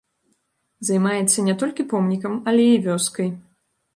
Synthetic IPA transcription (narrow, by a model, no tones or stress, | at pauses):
zajmajɛt̪sːɐnʲɛt̪ɔlʲkʲipɔmnʲikɐmɐlʲɛivʲɔskɐj